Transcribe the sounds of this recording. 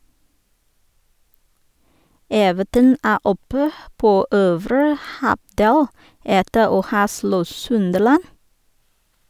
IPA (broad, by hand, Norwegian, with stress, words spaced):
ˈeːʋətən ˈæː ˈɔpə ˈpoː ˈøːʋɾə ˈhɑˌdeːl ˈɛtə ˈoː ˈhɑː ˈslɔ ˈsʉndəlɑn